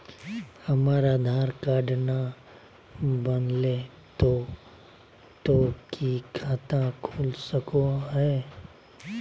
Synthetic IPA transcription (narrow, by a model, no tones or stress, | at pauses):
həmaːɾaːd̪ʱaːɾkaːɖna | bənle | t̪o | t̪okikʰaːt̪ãkʰoːlsəkoɦɛː